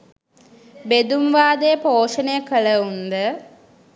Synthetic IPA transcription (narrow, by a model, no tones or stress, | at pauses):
bed̪umʋaːd̪əjəpoːʂənəjəkələund̪ə